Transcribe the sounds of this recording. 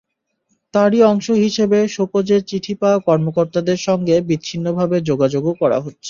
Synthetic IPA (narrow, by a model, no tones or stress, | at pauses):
t̪aɾiɔŋʃoɦiʃebeʃopod͡ʑeɾt͡ɕiʈʰipaakɔɾmokoɾt̪ad̪eɾʃɔŋɡebitːɕʰinːobʱabed͡ʑoɡad͡ʑoɡokɔɾa̰ɦotːɕʰe̥